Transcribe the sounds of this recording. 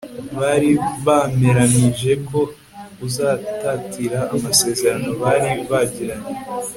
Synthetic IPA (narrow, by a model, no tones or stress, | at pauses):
βaːɾiβame̞ɾaniʒe̞ko̞ | uzaːtatiɾaːmase̞ːze̞ɾano̞βaːɾiβaɟiɾaɲe